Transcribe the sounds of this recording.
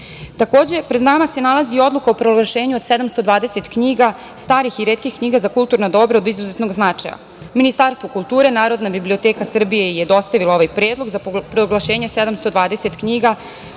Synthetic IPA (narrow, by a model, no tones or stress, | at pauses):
t̪ako̞ːd͡ʑe̞pɾe̞d̪namase̞nalˠazio̞d̪lukaopɾoɡlˠaʃe̞ːɲuosed̪amst̪o̞d̪ʋaːd̪e̞set̪kɲiːɡa | st̪aːɾixiɾeːt̪̚kixkɲiːɡazakult̪uɾnod̪o̞bɾaod̪izuzet̪no̞ɡznat͡ʂa̰ja̰ | minist̪aːɾst̪ʋokulˠt̪uːɾe̞naːɾo̞d̪nabiblio̞t̪eːkasr̩bije̞jed̪o̞st̪aʋilao̞ʋajpɾe̞ːd̪lˠo̞ɡzapɾoɡlˠaʃe̞ːɲesed̪amst̪o̞d̪ʋaːd̪eset̪kɲiɡa